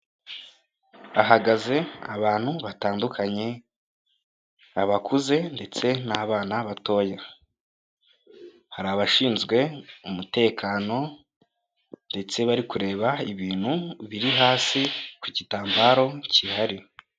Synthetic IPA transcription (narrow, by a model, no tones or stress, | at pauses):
aɦaɡaze̞aβaːn̥huβataːndukʰaɲe̞ | aβakuze̞nde̞t͡se̞naːβaːnaβato̞ːja | haɾaːβaʃiːnzɡwe̞umute̞ːkʰaːno̞ | nde̞t͡se̞βaɾikuɾe̞ːβaiβiːn̥huβiɾiɦaːsikwucitaːmbaːɾo̞cihaɾi